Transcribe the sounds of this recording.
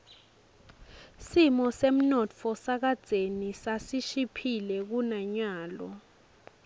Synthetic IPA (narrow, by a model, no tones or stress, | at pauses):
simɔsem̩nɔtt͡fʰɔsak̬ad̥z̥ʱenisasiʃipʰilɛk̬unaɲaːlɔ